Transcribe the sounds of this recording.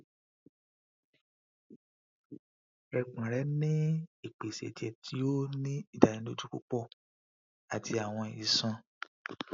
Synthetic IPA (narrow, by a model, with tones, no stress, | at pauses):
ɛ˨k͡pã˨ɾɛ˨˦nĩ˦i˦˨k͡pe˨sɛ̰˨d͡ʒɛ˧tʰi˨˦o˦nĩ˦i˦˨da˨ĩ˨˦lo˦d͡ʒu˦k͡po̰˦k͡pɔ˦˨ | a˨ti˧a˨w̃ɔ̃˧i˨sã˧